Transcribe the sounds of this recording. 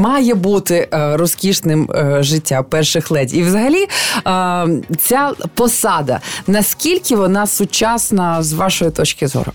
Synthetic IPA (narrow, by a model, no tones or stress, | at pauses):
mɑjɛbut̪ɪɾɔskʲiʃnɪmʒɪtʲːapɛrʃɪxlˠɛdʲiʋzɐɦɐlʲi | t͡sʲapɔsɑd̪ɐ̰nɐskʲilʲkʲɪʋɔnɑsʊt͡ʃɑsnɐzʋɑʃɔjit̪ɔt͡ʃkʲɪzɔ̰ɾʊ̰